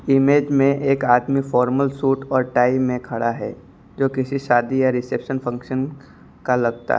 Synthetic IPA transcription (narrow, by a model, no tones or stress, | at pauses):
ɪmeːd͡ʒmẽʔeːkaːd̪mifɔːɾməlsuːʈɔːɾʈaːimẽkʰɐɽaɦɛ̰ː | d͡ʒoːkɪsiʃaːd̪ijaɾɪseːpʃənfʰɐ̃ŋkʃən | kalɐɡ̚t̪a̰ɦ